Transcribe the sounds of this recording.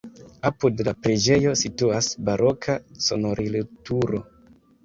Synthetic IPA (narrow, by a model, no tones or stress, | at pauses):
apudlapɾe̞d͡ʒe̞jo̞situasbaɾʔo̞kʰaso̞̰no̞ɾʔilotuɾo̞